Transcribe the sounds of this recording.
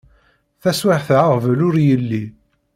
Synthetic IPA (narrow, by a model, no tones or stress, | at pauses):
θæswaħθʕaʁvəlʊɾjəlːi